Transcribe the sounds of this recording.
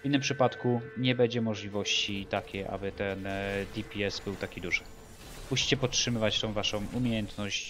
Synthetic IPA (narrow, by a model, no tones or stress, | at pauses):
inːɘmpʂɘpat̪kuɲɛbɛɲd͡ʑɛmɔʐlʲivɔɕt͡ɕit̪akʲeʔa̰bɘt̪ɛnd̪ʲipʲiɛsbɘwt̪akʲid̪uʐɘ | muɕi̥t͡ɕɛpɔt̪ʂɘmɘvat͡ɕt̪ɔ̃w̃vaʂɔ̃w̃ʔumʲjejɛnt̪nɔɕt͡ɕ